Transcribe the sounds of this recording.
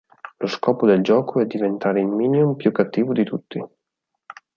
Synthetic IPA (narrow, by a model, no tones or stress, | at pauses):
loskɔːpod̪eld͡ʒɔːkʰoɛd̪ːivent̪aːɾeilmiːnjumpjukːat̪ːiːvod̪it̪ut̪ːi